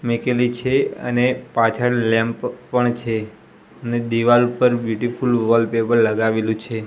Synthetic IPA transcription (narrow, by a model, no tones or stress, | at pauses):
mekelit͡ʃʰeə̰nepat͡ʃʰəɽlɛ̃mppəɳt͡ʃʰe | əned̪iʋalupəɾbjuʈifulʋɔlpepəɾləɡaʋelũt͡ʃʰe